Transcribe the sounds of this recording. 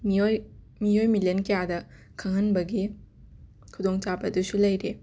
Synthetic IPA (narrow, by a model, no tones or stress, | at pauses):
mioj | mijojmiljenkɐjadɐ | kʰaŋɦɐnbɐɡi | kʰudoŋt͡ʃabɐdusulɐjɾe